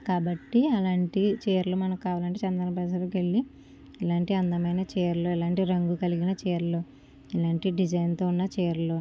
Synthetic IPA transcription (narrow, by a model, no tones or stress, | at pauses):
kaːbɐʈːiɐlaːɳʈit͡ʃeːɾlumɐnɐkkaːʋaːlɐɳʈet͡ʃɐnd̪ɐɾɐpɾɐːsɐlokeɭːi | ilaːɳʈiɐnd̪ɐmɐjnɐt͡ʃeːɾuloɛlaːɳʈiɾɐŋɡukɐliɡinɐt͡ʃeːɾlo | ilaːɳʈiɖid͡ʒɐjnt̪oːunːɐt͡ʃeːɾlo